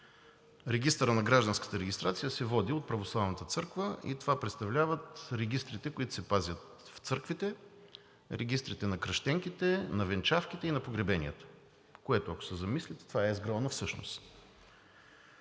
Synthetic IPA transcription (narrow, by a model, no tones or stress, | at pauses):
ɾɛɡʲist̪əɾənɐɡɾaʒd̪ənskə̥t̪əɾɛɡʲist̪ɾat̪sijəsɛvɔd̪iot̪̚pɾɐvoslˠavnət̪ət̪sɤɾkvəḭt̪ovapɾɛt̪st̪ɐvlʲavət̪ɾɛɡ̟ʲist̪ɾit̪ɛkoʊit̪ʊ̥sɛpazʲət̪ | ft̪sɤɾkvit̪ɛ | ɾɛɡʲist̪ɾit̪ɛnɐkɾɐʃt̪ɛŋk̟it̪ɛnɐvɛnt͡ʃafkit̪ɛinɐpoɡɾɛbɛnʲḭət̪ə̥ | koɛt̪ʊɐko̥sɛzɐmislʲit̪t̪ovaɛzɡɾɔnəfsɤʃno̰st̪